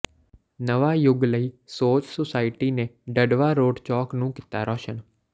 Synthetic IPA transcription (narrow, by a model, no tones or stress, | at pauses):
nəʋaːjʊɡləiːsoːt͡ʃsosaːɪʈiːnẽːɖəɖʋaːɾoːɖt͡ʃɔːknũːkɪt̪aːɾʔɔːʃən